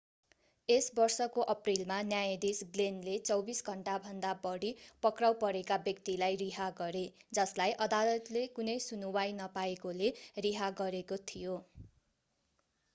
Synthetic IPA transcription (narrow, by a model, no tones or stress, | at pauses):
esbʌrsʌkoʔʌprilmanjajed̪isɡlenlet͡sʌwbisɡʱʌɳʈabʱʌnd̪abʌɽipʌkrawpʌɾekabjʌkt̪ilajriɦaɡʌɾed͡zʌslajʔʌd̪alʌt̪lekunʌjsunuwajnʌpaekoleriɦaɡʌɾekot̪ʰijo